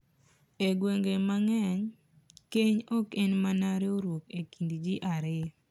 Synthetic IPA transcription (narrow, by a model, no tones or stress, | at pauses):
eɡweŋɡemaŋɛɲ | keɲɔkenmanaɾeoɾwokekindd͡ʒiʔaɾɪ